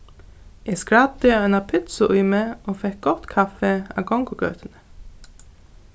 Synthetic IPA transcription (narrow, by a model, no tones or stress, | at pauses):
ɛɡskɹad̪ɪœɪnapʰɪt̪sʊʔʊjmeoːfɛhk̚ɡɔt̪kʰafɛa̰ːɡɔŋkʊɡœ̰ːt̪ɪnə̥